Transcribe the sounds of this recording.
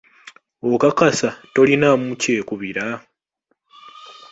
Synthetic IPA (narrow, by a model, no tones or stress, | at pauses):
okakasato̞linamuce̞ːkuβiɾa